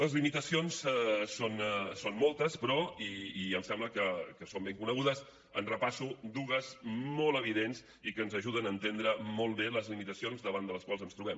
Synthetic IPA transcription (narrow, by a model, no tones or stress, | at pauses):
ləzlimit̪əsionsɛsonsonmɔlˠt̪əspɾɔiːəmsɛmbləkəkəsombeŋkunəɣuðəs | ənrəpasud̪uɣəzmɔlˠəβ̞iðens | ikənzəʒuðənəːnt̪end̪ɾəmɔlˠβeləzlimit̪əsionzðəβand̪ələskwalˠzənst̪ɾuβɛm